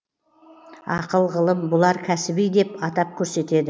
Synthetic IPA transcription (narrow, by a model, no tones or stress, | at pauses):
ɑqəlˠʁəlˠəmbʊlˠɑɾkʲʰæsɪbijd̪e̞pɑt̪ɑp̚kʲʰɵɾse̞t̪e̞d̪ɪ